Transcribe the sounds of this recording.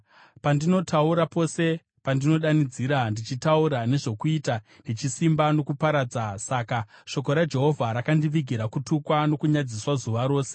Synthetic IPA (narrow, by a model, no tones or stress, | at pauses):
pandino̞tʰauɾapo̞se̞ | pandino̞ɗanid͡ziɾandit͡ʃitauɾane̞ʐo̞kuita | net͡ʃisimbano̞kupaɾaːd͡zasakaʃo̞ko̞ɾad͡ʒe̞ɦo̞vʱaɾakandiʋiɡʱiɾakutukwano̞kuɲad͡ziswazuʋaɾo̞ːse